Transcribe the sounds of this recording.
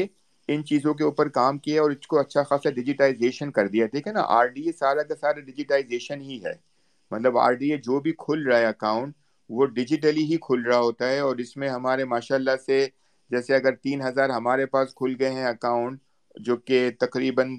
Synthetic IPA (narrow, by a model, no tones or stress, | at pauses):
e | ɪnt͡ʃiːzõk̬euːpəɾkaːmkiaɔːɾɪskoɐtːʃʰaxaːslaɖɪd͡ʒɪʈaːɪzeːʃənkɐɾd̪ijad̪eːkʰena̰ʔa̰ːɾɖiːesaːɾakasaːɾaɖɪd͡ʒɪʈaːɪzeːʃənɦiɦɛ̰ː | mɐt̪ləba̰ːɾɖiːed͡ʒoːbʱikʰʊlɾaaeɐkãːʊ̃ɳʈ | ʋoɖɪd͡ʒɪʈ̬əliɦikʰʊlɾɐɦaɦoːt̪aɦɛɔːɾɪsmẽɦɐmaːɾemaːʃaːlːase | d͡ʒɛːseɐɡəɾt̪iːnɦɐzaːɾɦɐmaːɾepaːskʰʊlɡɐeɦɛ̃ɐkaːʊ̃ɳʈ̚ | d͡ʒoːket̪ɐqɾiːbən